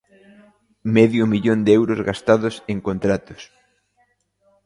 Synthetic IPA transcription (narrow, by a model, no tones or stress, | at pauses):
mɛðjʊmiʎond̪eɛwɾʊzɣast̪aðʊseŋkont̪ɾat̪ʊ̥s